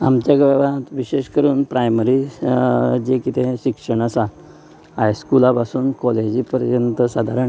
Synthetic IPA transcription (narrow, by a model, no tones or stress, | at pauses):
amt͡ɕjaɡʋɛʋat̪ʋiɕeɕkəɾuːnpɾajməɾi | d͡ʑekit̪ʰẽɕikʂəɳ̃əsat̪ | ɦajskulapasuːnkɔled͡ʑipəɾjənt̪əsad̪ʱaɾəɳ